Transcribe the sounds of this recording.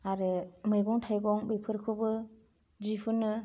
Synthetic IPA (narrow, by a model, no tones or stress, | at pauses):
aɾɯmɯjɡɔŋtʰajɡɔŋbepʰɯɾkʰɯbɯ | d͡ʒipʰɯnɯ